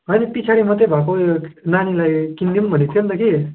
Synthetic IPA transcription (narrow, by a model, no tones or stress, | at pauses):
ɦʌjnipit͡sʰaɽimʌt̪ebʱakonanilajkind̪imbʱʌnit̪ʰijʌnt̪ʌki